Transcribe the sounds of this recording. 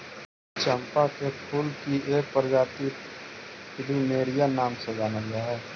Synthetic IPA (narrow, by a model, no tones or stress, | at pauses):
t͡ʃəmpakepʰʊlkiʔeːk̚pəɾd͡ʒaːt̪i | pɪɖimeːɾijanaːmsed͡ʒaːnaɡiaːɦɛː